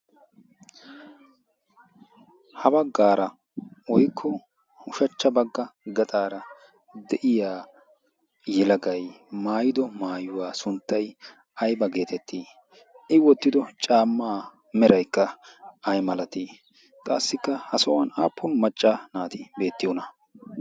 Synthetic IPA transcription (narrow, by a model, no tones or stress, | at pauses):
hɐbɐɡːaːɾɐ | wɔjkʰːɔ | ʊʃɐt͡ʃːɐbɐɡːɐɡɐt̪ʼaːɾɐ | d̪ɛʔɪjaː | jɛlɐɡɐjmaːjɪd̪ɔmaːjʊwaːsʊnt̪ːɐj | ɐjbɐɡe̞ːt̪ɛt̪ːiː | ɪwɔt̪ːɪd̪ɔt͡ʃʼaːmːaː | mɛɾɐjkːɐɐjmɐlɐt̪iː | kʼaːsːɪkːɐhɐsɔwɐna̰ːpːʊnmɐt͡ʃʼːanaːt̪ɪbe̞ːt̪ːɪjɔnɐ